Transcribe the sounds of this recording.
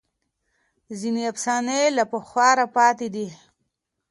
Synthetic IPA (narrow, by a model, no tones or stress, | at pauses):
zineapsɑnelapəxwɑɾapɑt̪ed̪i